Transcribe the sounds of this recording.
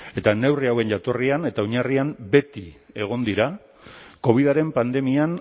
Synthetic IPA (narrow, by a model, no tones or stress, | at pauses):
e̞t̪ane̞wriawe̞nʝat̪o̞riane̞t̪auɲariambe̞t̪i | e̞ɣ̞o̞nd̪iɾa | ko̞β̞iðaɾe̞mpand̪e̞mian